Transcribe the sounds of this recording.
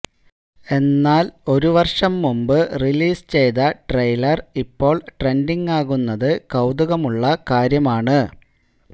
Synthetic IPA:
e̞nːaːlo̞ɾuʋɐrʂɐmːumbɨriliːst͡ɕe̞jðɐʈrɐjlɐripːo̞ːɭʈre̞ndiŋɡaːɣunːɐðɨkɐwd̪uɣɐmuɭːɐkaːɾjɐmaːɳɨ

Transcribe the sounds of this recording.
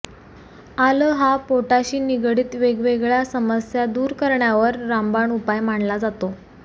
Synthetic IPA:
aləːɦapoʈaɕiːniɡɽiːt̪ʋeɡʋeɡɭjasəməsjad̪uːɾkəɾɳjaʋəɾːambaɳupajmaɳlad͡zat̪o

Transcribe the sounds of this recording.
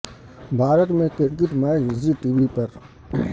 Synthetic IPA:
bʱaːɾət̪mẽkɪɾk̬ɪʈmaːsiʈiːʋipɐɾ

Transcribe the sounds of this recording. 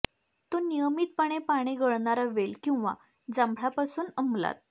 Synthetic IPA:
t̪onijəmiːt̪̚pəɽ̃epaɽ̃eɡəɭɳaɾaʋelkĩw̃ʋa̰ | d͡zambʱɭapasuːnəmla̰t̪̚

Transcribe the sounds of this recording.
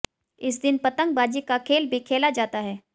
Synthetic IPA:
ɪs̬d̪ɪnpɐt̪ə̃ŋɡ̚baːd͡ʒikakʰeːlbʱikʰeːlad͡ʒaːt̪aɦɛː

